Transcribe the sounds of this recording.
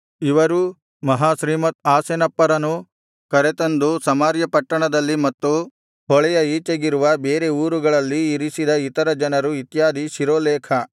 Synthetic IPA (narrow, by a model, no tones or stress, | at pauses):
iʋɐɾu | mɐɦaːʃɾiːmɐt̪̚aːsenɐpːɐɾɐnu | kɐɾet̪ɐnd̪usɐmaːɾjɐpɐʈːɐɳɐd̪ɐlːimɐt̪ːu | ɦɔɭɛjɐiːt͡ʃɐɡiɾuʋɐbeːɾeuːɾuɡɐɭɐlːiːɾisid̪ɐit̪ɐɾɐd͡ʒɐnɐɾuit̪jaːd̪iʃiɾoːleːkʰɐ